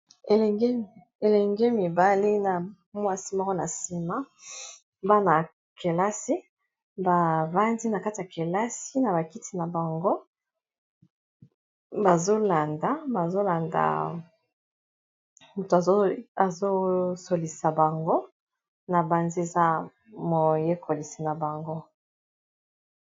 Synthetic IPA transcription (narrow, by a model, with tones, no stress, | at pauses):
e˨lɛ˨e˦ | e˨lɛ˨ŋɡe˦mi˨ba˨li˦na˨ | mwa˦si˦ma˦ko˦na̰˨si˦ma˦ | ba˦na˨ | kʰe˨la˦si˦ | ba˨va˦ndi˦na˨ka˦ti˨ja˨ke˨la˦si˦na˨ba˨ki˦tʰi˦na˨ba˨ŋɡo˦ | ba˨zo˦la˨nda˨˦ba˨zo˦la˨nda̰˨ | mu˨to˨a˨˦a˨zo˦so˨li˨sa˨ba˨ŋɡo˦ | na˨ba˨nzi˦e˨za˦ | mo˨je˦kʰo˨li˨si˨na˨ba˨ŋɡo˦